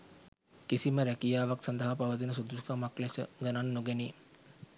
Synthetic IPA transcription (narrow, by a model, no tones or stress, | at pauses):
kisiməɾækijaːʋaksɐnd̪əɦapaʋət̪̬inəs̬ud̪uskamaklesə̰ɡənanːoɡeni